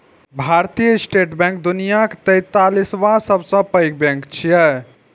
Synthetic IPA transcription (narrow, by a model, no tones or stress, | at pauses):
bʱaɾt̪ijəsʈeʈbɛ̃ŋk̚d̪unijakt̪əjt̪alisʋãsəbsə̃pəjk̚bɛ̃ŋkt͡ʃʰijɛ